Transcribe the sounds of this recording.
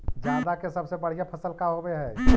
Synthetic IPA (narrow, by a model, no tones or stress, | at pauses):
d͡ʒjaːd̪akesɐbsebəɽ̤ijapʰəsəlkaɦobeɦɛ̃ː